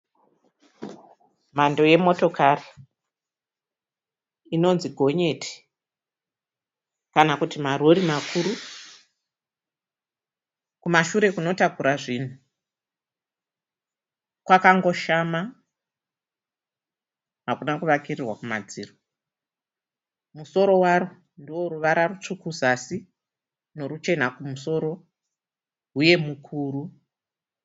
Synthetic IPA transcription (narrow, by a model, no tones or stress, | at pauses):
mando̞je̞mo̞to̞kari | ino̞nziɡʱo̞ɲe̞tʰi̥ | kanakutimaroɾimakʰuɾu | kumaʃuɾe̞kuno̞takuɾaʐiːn̤u | kwakaŋɡo̞ʃama | ɦakunakuʋakirirwakumad͡ziːro | muso̞ɾo̞waɾu | ndiwo̞ɾuʋaɾarut͡ʂukʰuzasi | no̞ɾut͡ʃe̞n̤akumuso̞ɾo̞ | ɦuje̞mukʰuːru